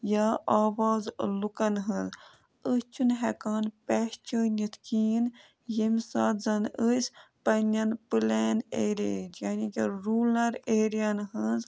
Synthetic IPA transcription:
jaaːʋaːzlukɐnɦəz | əsʲt͡ʃʰunɦɛkaːnpɛst͡ʃəːnʲit̪ʰkiːn | jemʲsaːzɐnəsʲpɐnʲɐnpɨlɛːneːɾʲḛd͡ʒjaːnikʲiɾuːlɐɾeːɾijɐnɦəz

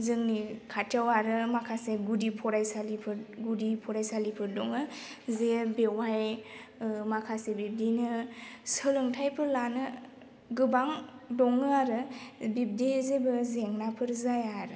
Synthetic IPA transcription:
zɯŋnikʰatʰjawaɾɯmakʰaseɡudipʰɔɾajsalipʰɯɾɡudipʰɔɾajsalipʰɯɾdɔŋɯzebewaj | makʰasebib̚dinɯsəlɯŋtʰajpʰɯɾlanɯ | ɡɯbaŋdɔŋɯaɾɯbib̚dizebɯzeŋnapʰɯɾzajaɾɯ

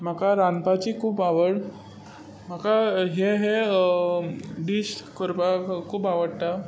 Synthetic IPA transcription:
m̤akaɾanpat͡ɕiːkʰuːpaʋəɽ | m̤akaɦeɦe | ɖiɕʈkəɾpakʰuːpaʋəɽt̪a

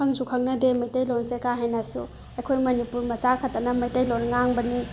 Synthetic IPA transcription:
ɐŋzukʰɐŋnɐdemɐjtɐjlonsekaɦajnɐsṵ | ɐjkʰojmɐnipuɾmɐt͡ʃakʰɐtːɐnɐmɐjtɐjlonŋaŋbɐni

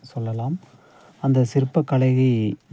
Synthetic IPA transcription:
sɔlːɐlaːm | ɐnd̪ɐsɪɾɯpːɐkːɐɭɐɪɣi

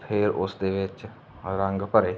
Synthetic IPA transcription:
pʰɪɾʊsd̪eːʋɪt͡ʃ | ɾə̃ŋɡpəɾeː

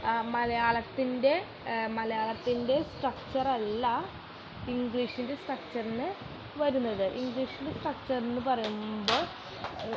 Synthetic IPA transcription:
mɐlɐjaːɭɐt̪ːinde̞ | mɐlɐjaːɭɐt̪ːinde̞sʈrɐk̚t͡ɕɐrɐlːɐ | iŋɡɭiːʂinde̞sʈrɐk̚t͡ɕɐrenːɨ | ʋɐɾunːɐðɨʔiŋɡɭiːʂindesʈrɐk̚t͡ɕɐrenːɨpɐrɐjumbo̞ːɭ

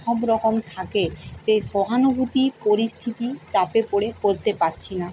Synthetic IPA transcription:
ʃɔbɾɔkomt̪ʰakeseʃɔɦanobʱut̪ipoɾist̪ʰit̪it͡ɕapepoɽekoɾt̪epaɾt͡ɕʰina

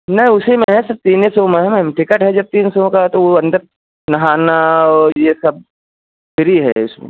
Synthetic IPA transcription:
nɐɦĩʊsimẽɦɛ̃sɐb̚t̪iːnesomẽɦɛ̃mɛ̃mʈɪkəʈɦɛd͡ʒɐb̚t̪iːnsoõkat̪oʋoɐ̃nd̪əɾ | nɐɦaːnaɔːɾjesɐb̚ | fɪɾiɦɛ̰ʊsmḛ̃

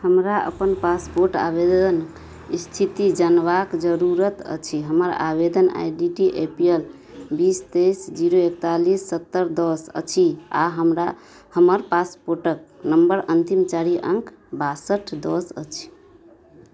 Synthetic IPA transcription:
həmɾaə̰pənpaspoɾʈa̰bed̪ən | ist̪ʰit̪id͡ʒənbakd͡ʒəɾuɾət̪ə̰t͡ʃʰiɦəməɾa̰bed̪əna̰jɖiʈiʔepiel | bist̪esd͡ʒiɾoek̚t̪alisːət̪ːəɾd̪ɔsə̰t͡ʃʰia̰ɦəmɾa | həməɾpaspoɾʈək̚nəmbəɾənt̪imt͡ʃaɾiʔə̰ŋkʰbasəʈʰd̪ɔsə̰t͡ʃʰi̥

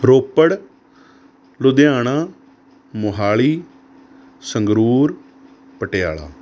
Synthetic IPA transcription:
ɾoːpəɽ | lʊd̪jaːɳaː | mʊɦaːɭiː | səŋɡɾuːɾ | pəʈeja̰ːɭa̰ː

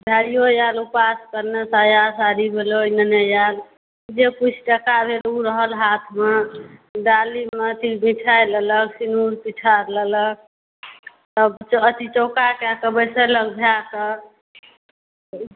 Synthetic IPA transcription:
bʱaijojalupaskəɾnesajasaɾibʱelojnənəjal | d͡ʒekut͡ʃʰʈəkabʱeluɾəɦəlɦat̪ʰmeɖalimet̪imiʈʰajlələksinuɾpiʈʰaɾlələk̚ | t̪əbt͡ʃət̪it͡ʃokakɛkəbəjseləɡbʱjakə

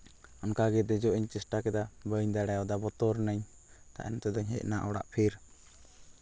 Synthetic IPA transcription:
ɔnkaɡɛd̪ɛd͡ʒɔʔiɲt͡ʃɛsʈakɛd̪abəɲd̪aɽɛjɔd̪abɔt̪ɔɾnəɲ | k̪a̰ʔɛnt̪ɛd̪ɔɲɦɛ̰ʔnaʔɔɽa̰ʔpʰiɾ

